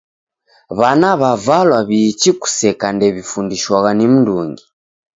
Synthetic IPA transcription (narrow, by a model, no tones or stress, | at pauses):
βanaβavalwaβiːt͡ʃiku̥sɛkandɛβifundiʃwaɣanim̩nduŋɡi